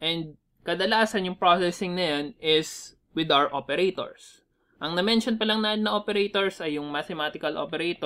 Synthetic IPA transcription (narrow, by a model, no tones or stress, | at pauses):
ʔɛnd̪̚ | kɐd̪ɐlaːsɐnjʊŋpɹosɛsɪŋnɐjonɪs | wɪd̪awɛɹʔopɛɾet̪o̰ɹs | ʔɐŋnɐmɛnʃonpɐlɐŋnaɪnːɐʔopɛɾejt̪oɹsɐjːʊŋmat̪ɛmaːt̪ɪkɐlʔo̰pɛɾejt̪o